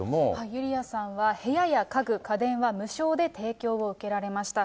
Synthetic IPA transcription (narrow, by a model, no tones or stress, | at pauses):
omohaijɯ̟ɾʲiasãɰ̃βahe̞jajakaɡɯ̟kad̪ẽ̞ɰ̃βamɯ̟ɕo̞ːd̪e̞t̪ʰe̞ːkʲo̞ːβoɯ̟ke̞ɾaɾe̞maɕi̥t̪a